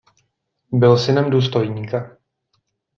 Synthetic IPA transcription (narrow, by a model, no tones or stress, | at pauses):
bɪlsɪnɛmduːst̪o̞jɲiːka